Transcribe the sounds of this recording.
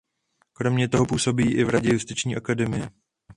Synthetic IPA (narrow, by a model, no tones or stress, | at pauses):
kɾo̞mɲɛt̪o̞ɦo̞puːso̞biːʔɪvɾaɟɛjust̪ɪt͡ʃɲiːʔakadɛmɪjɛ